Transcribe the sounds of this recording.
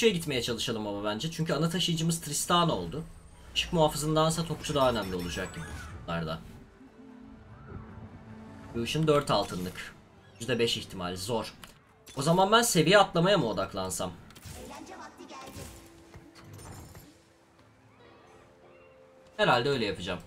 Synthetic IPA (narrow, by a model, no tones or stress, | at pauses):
ʃujɛɟit̪me̞jɛt͡ʃʰalˠɯʃalˠɯmababænd͡ʒɛt͡ʃʰyɲcʰyanat̪ʰaʃɯjd͡ʒɯmɯzt̪ʰɾist̪ʰaːno̞lˠd̪ʊ | t͡ʃʰɯ̥kmuɦaːfɯzɯnd̪ansat̪ʰo̞kʰu̥t͡ʃʰud̪aɦaønæmlʲio̞lˠud͡ʒak̚ɟibiulˠaɾd̪a̰ | buʃɯnd̪øɾt̪alˠt̪ʰɯnlˠɯk | jyzd̪ɛbɛʃiçt̪ʰimalʲzo̞ɾ̥ | o̞zamanbænse̞vijiat̪lˠamajamɯo̞d̪aklˠansam | heɾalʲd̪ɛø̞jlʲɛjapʰɯd͡ʒam